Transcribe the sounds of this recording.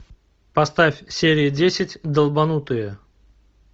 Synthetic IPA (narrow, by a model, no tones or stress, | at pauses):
pɐst̪afʲsʲeɾʲɪɪdʲesʲɪtʲd̪əlˠbɐnut̪ɨjə